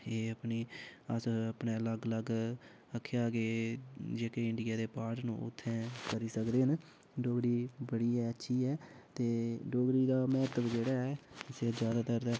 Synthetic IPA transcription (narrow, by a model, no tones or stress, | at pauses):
eːəpniːəsəpneːləɡləɡ | əkʰːeaːɡeːd͡ʒeːkeːɪɳɖɪjaːd̪eːpaːɾʈnṵ̃ːʊ̰t̪ʰːɛ̃ːkəɾiːsəkd̪eːɦən | ɖoːbəɽiːbəɽiːɛːətːʃʰiːɛːt̪eːɖoːɡɾiːd̪aːmɛːt̪əbd͡ʒeːɽaːɛːɪseːd͡ʒjaːd̪aːt̪əɾd̪ɛː